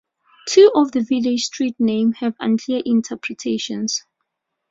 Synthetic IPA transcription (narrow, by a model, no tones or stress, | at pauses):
tʰuʔɔvðəvilostɹit̚nẽmhɛvã̰nkʰliəʔĩntʰɛpʰɹɛtʰeʃɔ̰̃ns